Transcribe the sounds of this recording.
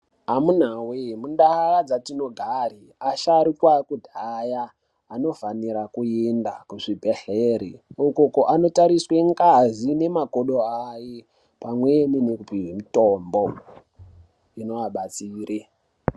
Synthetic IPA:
ɦamun̤awemundaad͡zatino̞ɡʱaɾi | aʃaɾikwakudʱajaː | no̞faniɾakuendakuʐibʱe̞ɬeɾiukokoʔano̞taɾisweŋkazine̞makoɗoaje | pamwe̞ninekupiɦimito̞mbo̞ | ino̞waɓat͡siːre

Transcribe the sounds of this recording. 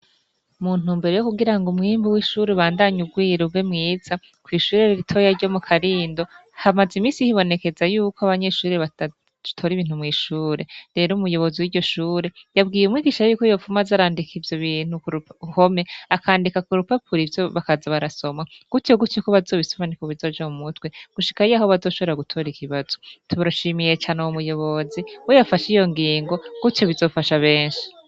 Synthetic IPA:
muːn̥uːmbeɾe̞jokuɡiɾaŋɡomŋiːmbuwiʃuɾeβaːndaɲuɡwiːɾoɡwemŋiːz̥a | kwiːʃuːɾeɾiɾitʰo̞jaɾɟo̞mukʰaɾiːndo̞hamazimiːsihiβo̞ne̞ke̞zajuːkoaβaɲe̞ʃuːɾeβḁ | tʰo̞ːɾiβiːn̥humŋiːʃuːɾe̞ɾe̞ːɾomujo̞βo̞ziwiːɾɟo̞ʃuːɾe̞jabɡiːjeumŋwiːɡiʃajuːkojo̞fumazaɾaːndikʰivjo̞βiːn̥hukuɾuho̞me̞akʰaːndikakuɾupapʰuɾivjo̞βakazaβaɾaso̞maɡ̥utoɡutukoβazo̞ːβisoβanikoβizo̞ːd͡ʒaumutwe̞ɡ̥uʃi̥kaijaːɦoβazoʃo̞βe̞ɾaɡutʰo̞ːɾikiβazo̞̥tuβaɾoʃiːmije̞t͡ʃaːnoumujo̞βo̞ziwejafaʃijo̞ŋɡiːŋɡo̞ɡ̥utjo̞βizo̞ːfaʃaβe̞ːnʃi̥

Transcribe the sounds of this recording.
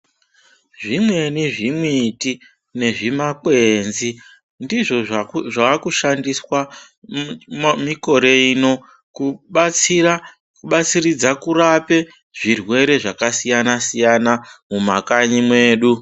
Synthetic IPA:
ʐimwe̞niʐimwiti | ne̞ʐimakwe̞ːnzi | ndiʐo̞ʐakuʃandiswa | miko̞ɾe̞ino̞ | kuɓia | kuɓat͡sirid͡zakurape̞ | ʐ̥irwe̞ɾe̞ʐakasijanasijanamumakaɲimwe̞ːɗu

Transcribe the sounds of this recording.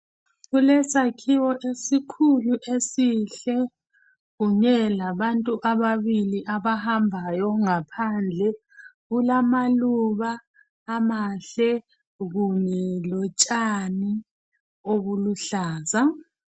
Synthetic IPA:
ɣulɛsakʰiwɔʔesikʰuluʔesiɬɛ | ɣuɲɛlaβantʼuʔaβaβiliʔaβahambʱajɔŋapʰand͡ɮʱɛ | ɣulamaluβaː | maɬɛ | ɣuɲɛlɔt͡ʃʼani | oβuluɬaːza

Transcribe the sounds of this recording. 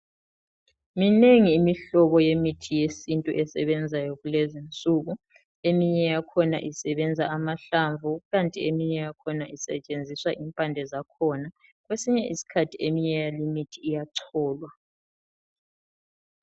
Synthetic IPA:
mineŋiːmiɬɔβɔjemitʰijesintʼuʔɛsɛ̰βɛnd͡zʱajoɣulɛzint͡sʼuɣu | emiɲɛjakʰɔna̰ʔisɛβɛnd͡zʱaːmaɬaɱvʱuɣantʼiemiɲɛjakʰɔnaʔisɛ̰t͡ʃʼend͡zʱiswaʔimpʼandʱɛzakʰɔnaɣwesiɲɛʔisi̥kʰatʰiemiɲɛjalimitʰiːjaǀʰɔːlwa

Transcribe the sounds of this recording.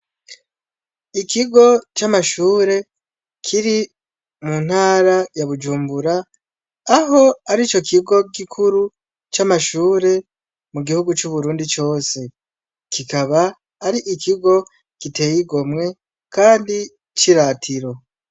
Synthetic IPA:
ikʰiɡo̞t͡ʃamaʃuːɾe̞ | kʰiɾi | mun̥haːɾajaβud͡ʒuːmbuɾaː | ɦo̞aɾit͡ʃo̞kʰiɡo̞ɡikʰuɾu | t͡ʃamaʃuːɾe̞ | muɡihuɡut͡ʃuβuɾuːndit͡ʃo̞ːse̞ | kikaβaː | ɾiʔikiɡo̞ | kite̞ːjiɡo̞mŋe̞ | kaːndi | t͡ʃiɾatʰiɾo̞

